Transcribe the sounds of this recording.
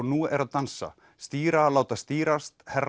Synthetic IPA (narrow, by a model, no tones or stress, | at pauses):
nuːɛɾaðt̪ansa̰ | st̪iːɾalaːwt̪ast̪iːɾast̪hɛɾ